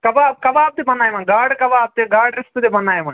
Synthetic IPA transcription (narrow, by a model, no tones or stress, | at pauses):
kɐʋaːb̚kɐʋaːp̚t̪ibɐnːaːjmɐnɡaːɽkɐʋaːb̚t̪iɡaːɽɾist̪ɨd̪ebɐnːaːjmɐn